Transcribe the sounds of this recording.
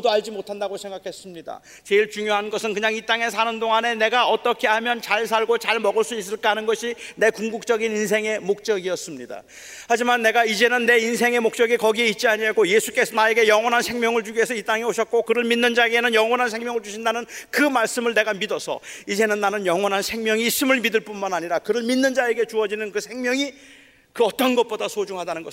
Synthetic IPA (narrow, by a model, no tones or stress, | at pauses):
oduaʎd͡ʑimotʰandaɡosʰe̞ŋɡakʰe̞s͈ɯmɲida̰ | t͡ɕe̞iɭt͡ɕuŋjoɦanɡʌsʰɯnkɯɲaŋit͈aŋe̞sʰanɯndoŋane̞ne̞ɡaʌt͈ʌkʰe̞ɦamjʌnt͡ɕaɭs̬ʰaɭɡot͡ɕaɭmʌɡɯɭs͈uis͈ɯɭk͈aɦanɯnɡʌɕʰine̞kuŋɡuk̚t͡ɕ͈ʌɡininsʰe̞ŋe̞mok̚t͡ɕ͈ʌɡiʌs͈ɯmɲida̰ | had͡ʑimanːe̞ɡaid͡ʑe̞nɯnːe̞insʰe̞ŋe̞mok̚t͡ɕ͈ʌɡikʌɡie̞it̚t͡ɕ͈iaɲiaɡoje̞sʰu̥k͈esʰʌnae̞ɡe̞jʌŋwʌnɦansʰe̞ŋmjʌŋɯɭd͡ʑuɡe̞sʰʌit͈aŋe̞oɕʰʌt̚k͈okɯɾɯɭminːɯnd͡ʑae̞ɡe̞nɯnjʌŋwʌnɦansʰe̞ŋmjʌŋɯɭt͡ɕuɕʰindanɯnkɯmaɭs͈ɯmɯɭne̞ɡamidʌsʰʌ̰id͡ʑe̞nɯnːanɯnjʌŋwʌnɦansʰe̞ŋmjʌŋiːs͈ɯmɯɭmidɯɭp͈unmanaɲiɾakɯɾɯɭminːɯnd͡ʑae̞ɡe̞t͡ɕuʌd͡ʑinɯnkɯsʰe̞ŋmjʌŋi | kɯʌt͈ʌnɡʌt̚p͈odasʰod͡ʑuŋɦadanɯnɡʌ